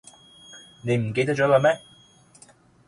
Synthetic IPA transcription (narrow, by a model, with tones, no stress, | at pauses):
ne˨˧jm̩˨˩ke˧jt̪̬̚t͡ʃɔ˨˥ɔ˨˧mɛː˥